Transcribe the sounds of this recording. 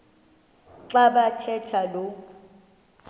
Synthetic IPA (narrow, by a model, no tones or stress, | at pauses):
ǁaɓatʰɛtʰalo